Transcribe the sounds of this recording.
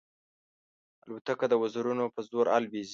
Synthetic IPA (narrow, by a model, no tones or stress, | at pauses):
alwat̪akad̪əwazuɾunopəzoɾa̰lbiz